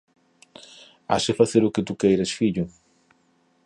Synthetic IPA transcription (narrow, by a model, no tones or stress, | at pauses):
a̰ʃɪfaθeɾʊkɪt̪ukejɾɐsfiʎʊ